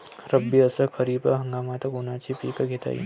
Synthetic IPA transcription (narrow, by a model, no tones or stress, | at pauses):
ɾəbːiəsəkʰəɾiːpəɦəŋɡaːmat̪ɐkonat͡ʃʰipiːkəɡʱet̪a̰jḭ